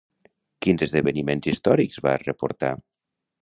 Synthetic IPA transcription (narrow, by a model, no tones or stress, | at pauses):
kinzəzðəβənimenzist̪ɔɾikzβa̰rəpṵɾt̪a̰